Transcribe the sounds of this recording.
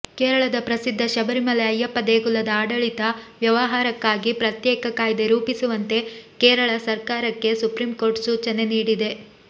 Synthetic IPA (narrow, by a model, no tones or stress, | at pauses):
keːɾɐɭɐd̪ɐpɾɐsid̪ʱːɐʃɐbɐɾimɐleɐjːɐpːɐd̪eːɡulːɐd̪ɐaːɽɐɭit̪ɐʋjɐʋɐɦaːɾɐkːaːɡipɾɐt̪jɛːkɐkaːjd̪eɾuːpisuʋɐnt̪e̞keːɾɐɭɐsɐɾkaːɾɐkːe̞supɾiːmko̞ːɾʈsuːt͡ʃɐne̞niːɽid̪e̞